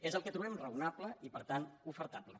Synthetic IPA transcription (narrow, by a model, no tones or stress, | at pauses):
ezəlˠkət̪ɾuβɛmrəunapləipəɾt̪anufəɾt̪aplə